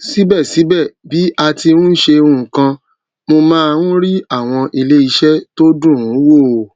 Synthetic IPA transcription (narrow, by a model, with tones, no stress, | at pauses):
si˨˦bɛ˦˨si˨˦bɛ˦˨bi˨˦a˧ti˧nũ˦n̩˦ʃe˧ũ˧˦˨kã˧ | mo˧mãː˦˧wũ˦ɾi˦a˦˨w̃ɔ̃˧ʔi˧le˦i˧ʃɛ˦to˦dũ˦˨ũ˨˦wo˦˨